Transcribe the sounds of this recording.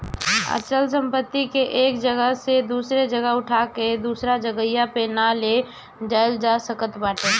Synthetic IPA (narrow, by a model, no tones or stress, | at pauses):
ə̰t͡ʃəls̬ə̃mpət̪ːikeʔeːk̚d͡ʒəɡəɦsed̪uːsɾed͡ʒəɡəɦʊʈʰaked̪uːsɾad͡ʒəɡəjapenale | d͡ʒaːjld͡ʒasəkət̪baːʈe